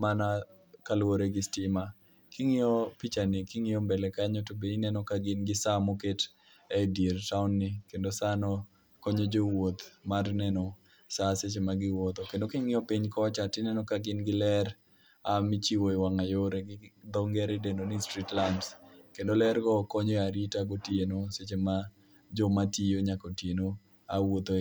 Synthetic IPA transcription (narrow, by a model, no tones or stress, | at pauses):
mana | kalwoɾeɡɪstɪma | kɪŋɪɔpit͡ʃanɪkɪŋɪjɔmbɛlɛkaɲɔtobeinɛnɔkaɡɪnɡɪsamoket | ɛdieɾtaʊnːɪkendosanɔ | kɔɲod͡ʒowot̪marnɛnɔ | saset͡ʃemaɡɪwɔt̪ɔkendokɪŋɪɔpiɲkɔt͡ʃatɪnɛnɔkaɡɪnɡɪlɛɾ | amɪt͡ʃiwoiwaŋajoɾeɡɪd̪ɔŋɡɛɾedendonistɾitlanskendolɛɾɡɔkɔɲɔaɾitaɡotienoset͡ʃema | d͡ʒɔmatioɲakotjeno | awot̪o